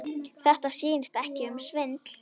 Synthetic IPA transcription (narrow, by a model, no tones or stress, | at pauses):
θɛht̪asiːnst̪ɛhcɪʏmsvɪnt̪l̥